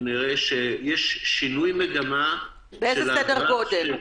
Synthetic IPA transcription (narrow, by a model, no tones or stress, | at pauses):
niʁeʃejɛʃːinujmeɡama | beejzelasedeʁɡod̪em